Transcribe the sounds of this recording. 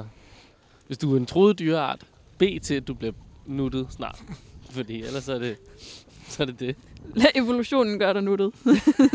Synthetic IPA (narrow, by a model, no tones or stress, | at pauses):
ʋe̝sd̥uæɐe̝nt͡sʰʁo̝ːðˠd̥yːɐɑ̰̈ːd̥ | b̥e̝̰ːt͡sʰe̝æd̥ub̥liɐnud̥ð̞̩ˠsnɑ̰̈ːd̥fɒd̥ḭːelɐsːɒ̽æɐd̥e̝ | sɒ̽æɐd̥e̝d̥e̝læʔe̝ʋo̝luɕo̝̰ːnn̩ɡ̥ɶɐɾɑnuɾ̥ð̩ˠ